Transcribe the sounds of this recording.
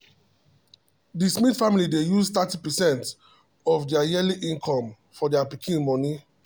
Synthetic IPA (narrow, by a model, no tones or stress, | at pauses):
dismitfamilidejuzt̪atipɛsɛ̃nt | ɔfdɛajɛliʔĩŋkʰɔ̃m | fɔdɛapikʰĩnmɔ̃ni